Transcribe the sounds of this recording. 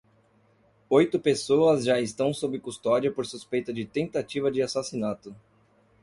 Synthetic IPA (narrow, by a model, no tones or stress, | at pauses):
ojt̪ʊpesoɐzʒaɪst̪ɐ̃w̃sobɾɪkust̪ɔd͡ʒɐpoɾsuspejt̪ɐd͡ʒɪt̪ẽnt̪at͡ʃivɐd͡ʒɪasasinat̪ʊ